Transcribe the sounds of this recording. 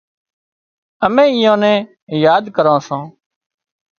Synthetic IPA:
əmẽːɪjãːnɛ̃ː | jaːd̪kəɾãːsãː

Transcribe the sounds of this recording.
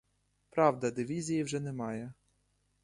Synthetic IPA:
pɾɑwd̪ɐd̪ɪʋʲizʲijiwʒɛnɛmɑjɛ

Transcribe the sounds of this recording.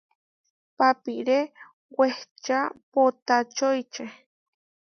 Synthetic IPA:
papiɾe | weht͡ʃapot̪at͡ʃojt͡ʃe

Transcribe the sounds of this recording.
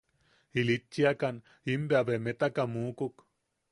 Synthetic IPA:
ilit͡ʃːiakan | imbeabemet̪akamuːkuk

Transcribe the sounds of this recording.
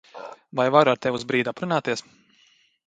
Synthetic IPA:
vajvaɾaɾt̪ɛvuzbɾiːd̪apɾunaːt̪iɛs

